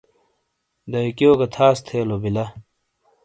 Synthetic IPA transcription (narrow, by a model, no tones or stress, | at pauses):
d̪ɐikijoːkɐt̪ʰaːst̪ʰeːlobilɐ